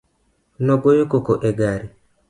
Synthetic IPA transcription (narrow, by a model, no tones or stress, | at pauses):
noɡojokokoʔeɡaɾi